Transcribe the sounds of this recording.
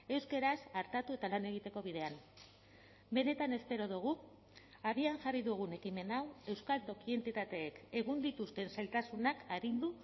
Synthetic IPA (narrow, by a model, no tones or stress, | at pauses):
e̞wskeɾasaɾt̪at̪ue̞t̪alane̞ɣ̞it̪e̞ko̞β̞iðe̞an | be̞ne̞t̪ane̞spe̞ɾo̞ð̞uɣ̞u | aβiaŋʝariðuɣ̞une̞kime̞nawe̞wskalt̪o̞kie̞nt̪it̪at̪e̞ːke̞ɣund̪it̪ust̪e̞nselt̪asunakaɾind̪u